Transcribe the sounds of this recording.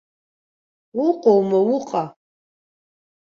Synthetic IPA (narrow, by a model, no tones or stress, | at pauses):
wʊqʼowmɐwʊqʼa